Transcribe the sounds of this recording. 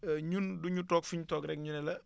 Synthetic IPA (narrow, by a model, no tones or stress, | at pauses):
ɲunduɲutɔːkfuɲutɔːkɾɛkɲunɛlɐ